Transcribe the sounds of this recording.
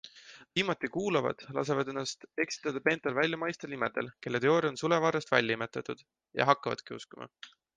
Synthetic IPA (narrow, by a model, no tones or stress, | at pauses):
viːmɑt̪ːˑikuːlɑvɑ̰d̪̥lɑ̰se̞vɑd̪e̞nːɑst̪e̞ksi̥t̪ːˑɑd̪̥ɑpe̞ːnt̪ːˑelvælʲjɑmɑjst̪ɑlnimed̪̥e̞̰lke̞lːet̪eo̞ːɾio̞nsulevɑːɾɑst̪væ̰lʲjɑime̞t̪ːˑɑt̪ːˑud̪̥ | jɑ̰ɦɑkːɑvɑ̰d̪̥kiuskumɑ̰